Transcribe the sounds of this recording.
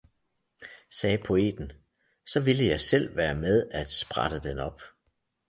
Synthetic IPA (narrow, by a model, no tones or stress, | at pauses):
sɛːpʰo̝e̝̰ːd̥n̩ | sɒ̽ʋiləjɑ̈ɪsel̰ʋæːɐmeð̞ˠæd̥sb̥ʁɑd̥əd̥enɒ̽b̥